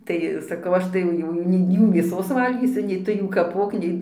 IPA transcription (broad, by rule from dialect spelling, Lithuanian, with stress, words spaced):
ˈtɐɪ sɐˈkɐʊ ˈɐʃ tɐɪ jɛʊ ˈjuː ˈjuː nʲɛɪ ˈjuː mʲeːˈsoːs ˈʋɐlʲɡʲiːsʲʊ nʲɛɪ ˈtʊ juː kɐˈpoːk ˈnʲɛɪ